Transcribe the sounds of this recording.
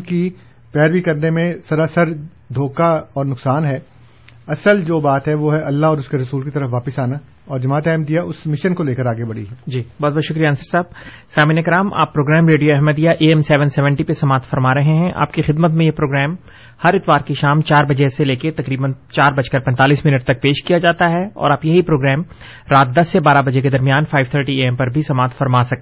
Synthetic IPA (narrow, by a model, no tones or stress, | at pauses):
ki | pɛːɾbikɐɾnemẽsɐɾasəɾ | d̪ʱoːkaɔːɾnʊksaːnɦɛː | ɐsəld͡ʒoːbaːt̪ɦɛʋoːɦɛʔɐlːaɦɔːɾʊskeɾɐsuːlkit̪ɐɾəfʋaːpəsaːna | ɔːɾd͡ʒɐmaːt̪ɛːmd̪ijaʔʊsmɪʃənkoleːkəɾaːɡebɐɽḭɦɛːd͡ʒiːbɔːt̪bɔːt̪ʃʊkɾijaɐnsəɾsaːb̚saːmiːnekɐɾaːmʔa̰ːpːɾoːɡɾɛːmɾeːɖijoɛɦməd̪ijaʔeːɛmsɛːʋə̃nsɛːʋə̃ɳʈipesɐmaːt̪fɐɾmaːɾɐɦẽɦɛ̃ʔa̰ːpkixɪd̪mət̪mẽjepɾoːɡɾɛːm | hɐɾɪt̪ʋaːɾkiʃaːmt͡ʃaːɾbɐd͡ʒeseleːket̪ɐkɾiːbənt͡ʃaːɾbɐd͡ʒkɐɾpɛ̃nt̪aːliːsmɪnəʈ̚t̪ɐk̚peːʃkijad͡ʒaːt̪aɦɛɔ̰ːɾaːpjɐɦipɾoːɡɾɛːm | ɾaːt̪̚d̪ɐsːebaːɾabɐd͡ʒek̬ed̪ɐɾmijaːnfaːɪʋt̪ʰəːɾʈieɛ̃mpɐɾbʱisɐmaːt̪fɐɾmaːsɐk̪̚ː